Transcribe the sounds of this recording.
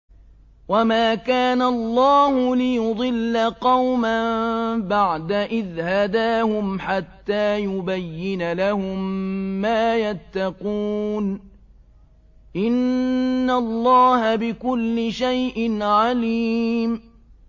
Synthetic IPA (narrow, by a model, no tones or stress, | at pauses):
wamaːkaːnalˤːɑːhʊlɪjʊd̪ˤɨlːaqɑwmambaʕd̪aʔɪðhad̪aːhʊmħat̪ːaːjʊbajːɪnalahʊmːaːjat̪ːɑquːn | ʔɪnː | alˤːɑːhabɪkʊlːɪʃajʔɪnʕaliːm